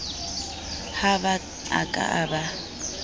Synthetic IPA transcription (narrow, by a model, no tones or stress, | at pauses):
haba | a̰kʼa̰ʔaba